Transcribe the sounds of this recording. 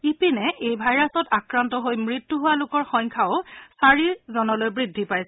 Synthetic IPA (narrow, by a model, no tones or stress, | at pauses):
ipinɛʔejbʱajɹasɔtakɹantɔɦojmɹitːuɦʊwalʊkɔɹxɔjŋkʰaʊsaɹiɹzɔnɔlojbɹidʱːipajsɛ